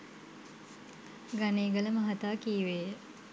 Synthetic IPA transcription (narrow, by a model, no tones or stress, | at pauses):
ɡaneːɡələməɦɐt̪aːkiːʋeːjə